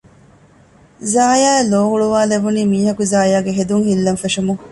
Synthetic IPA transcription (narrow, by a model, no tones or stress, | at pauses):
zaːjaːeloːhuɭuʋaːleʋuniːmiːɦɐkuzaːjaːɡeɦed̪uŋhilːɐnfeʂumuŋ